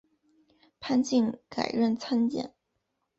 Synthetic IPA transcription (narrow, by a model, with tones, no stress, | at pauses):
pʰa˥nt͡ɕi˥˩nka˨˩ɪɻə˥˩nt͡sʰa˥nt͡ɕjɛ̰˥˩˦n